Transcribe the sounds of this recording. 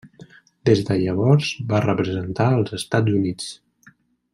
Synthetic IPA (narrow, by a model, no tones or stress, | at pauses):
d̪ezðəʎəβ̞ɔɾzbarəpɾəzənt̪aəlˠzəst̪ad͡zunit͡s